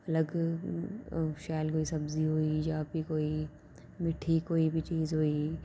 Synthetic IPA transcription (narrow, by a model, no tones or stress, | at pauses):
ɐləɡ | ʃaːlkoːisɐbziɦoːijaːbʱikoːi | mɪʈʰikoːibʱit͡ʃiːzɦoːi